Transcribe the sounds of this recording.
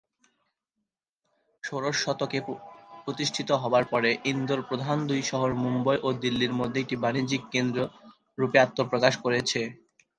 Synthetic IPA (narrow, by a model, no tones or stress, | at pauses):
ʃoɾoʃːɔt̪okepɾot̪iʃʈʰit̪oɦɔbaɾpɔɾeʔind̪oɾpɾod̪ʱand̪ujʃɔɦoɾmumbojʔod̪ilːiɾmod̪ʱːeek̚ʈibanid͡ʑikkend̪ɾo | ɾupeat̪ːopɾokaʃkoɾet͡ɕʰe